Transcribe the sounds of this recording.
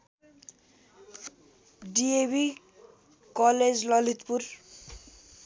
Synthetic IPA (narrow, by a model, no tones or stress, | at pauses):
ɖiebi | kʌled͡zlʌlit̪pur